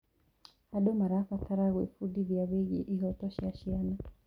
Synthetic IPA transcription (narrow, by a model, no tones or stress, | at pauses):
haɗɔmaɾafatʰaɾaɣwḭfuɗiβjaβiɣḭʔiɣɔtɔʃiaʃiana